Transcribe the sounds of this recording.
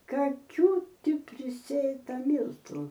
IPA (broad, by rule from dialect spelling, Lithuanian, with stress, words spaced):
kɐˈkʲuː ˈtʲɪ pʲrʲɪˈsʲeːtɐ ˈmʲiːlˠtʊ